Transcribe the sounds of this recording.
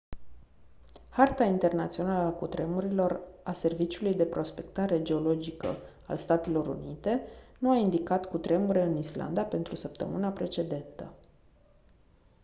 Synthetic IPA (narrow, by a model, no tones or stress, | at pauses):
hart̪aint̪e̞rnat̪sio̞naləakut̪ɾe̞muɾilo̞rase̞rvit͡ʃiulujd̪e̞pɾo̞spe̞k̚t̪aɾe̞d͡ʒe̞o̞lo̞d͡ʒikə̰ | a̰lst̪at̪e̞lo̞ɾṵnit̪e̞nuaind̪ikat̪kut̪ɾe̞muɾeɨnisla̰nd̪ape̞nt̪ɾusəpt̪ə̰mɨnapɾe̞t͡ʃe̞d̪e̞nt̪ə̰